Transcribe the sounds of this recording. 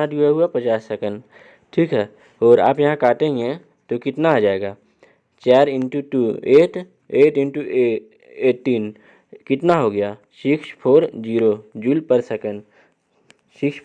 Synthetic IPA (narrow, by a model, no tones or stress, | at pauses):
ãd̪uaɦuapɐt͡ʃaːsɐkən | ʈʰiːkɦɛː | ɔːɾa̰ːpjɐɦãkaːt̪ẽɦɪ̃ɛ̃ | t̪okɪt̪naːd͡ʒaːeːɡaː | t͡ʃaːɾɪnʈuʈuːeːʈ | eːʈɪ̃nʈu | eːʈːiːn | kɪt̪naɦoɡɐjaː | ʃɪkʃpʰoːɾd͡ʒiːɾod͡ʒulpəɾsəkən | ʃɪkʃ